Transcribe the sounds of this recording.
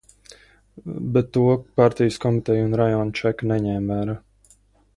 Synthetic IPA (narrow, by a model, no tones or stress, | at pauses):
bet̪ːuɔpaɾt̪ijəskɔmit̪ɛjunɾajɔːnt͡ʃɛknɛɲɛːmvæːɾaː